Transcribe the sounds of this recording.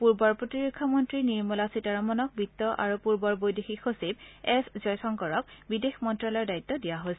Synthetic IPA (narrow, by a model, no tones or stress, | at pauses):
puɹbɔɹpɹotiɹokʰːamɔntɹiniɹmulasitaɹamɔnɔk̚bit̪ːɔʔa̰ɹupuɹbɔɹbojdexixʰosib̚ɛszɔjtʰɔŋkɔɹɔk̚bidexmɔntɹalɔɹdait̪ːɔdijaɦojsɛ